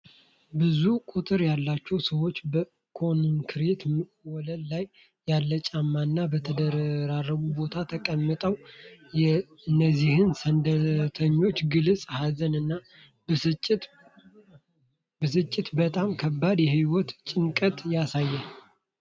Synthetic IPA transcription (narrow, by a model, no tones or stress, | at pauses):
bɨzukʼut̪ʼɨɾjalːat͡ʃːɛwsəwo̞t͡ʃːbə | kʰo̞nɨŋkʰɨɾet̪mwɔləllajː | alːət͡ʃʼamːanːabət̪ʰəd̪əɾarːəɡubo̞t̪ʰat̪ʰəkʼəmːɨt̪ʼəwj | ɨnːəzːihɨnsənd̪ət̪ʰəɲːo̞t͡ʃːɡɨlsʼhazənɨnːa | bəsɨt͡ʃʼːɪt̪bət̪ʼamkʰəbːad̪jɛɦiwɔt̪t͡ʃʼɪŋkʼət̪ʼjasajːɛ